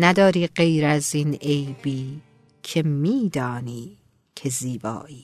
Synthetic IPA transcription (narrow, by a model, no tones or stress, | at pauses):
næd̪ɒːɾiːɢe̞jɾæziːne̞jbiː | cʰe̞miːd̪ɒːniː | cʰe̞ziːbɒ̰ːʔiː